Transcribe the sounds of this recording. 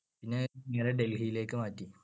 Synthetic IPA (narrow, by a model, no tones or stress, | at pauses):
pinːe̞neːɾeɖelɦijile̞ːkːɨmaːtːi